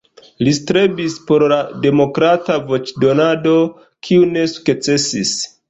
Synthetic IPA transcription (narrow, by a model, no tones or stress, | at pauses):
listɾe̞bispo̞ɾlade̞mo̞kɾatavo̞t͡ʃdo̞nado̞ | kʰiune̞su̥ket͡se̞sis